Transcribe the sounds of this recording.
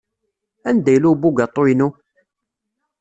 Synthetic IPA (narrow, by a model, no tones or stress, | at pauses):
ænd̪æjlubuɡat̪ˤːojnu